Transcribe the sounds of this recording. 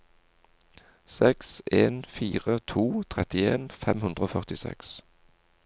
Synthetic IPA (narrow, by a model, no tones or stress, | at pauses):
sɛkseːnfiːʁət̪ʰuːt̪ʰʁɛt̪ɪeːnfɛmhʉnd̪ʁəoːfœʁt̪ɪsɛ̰ks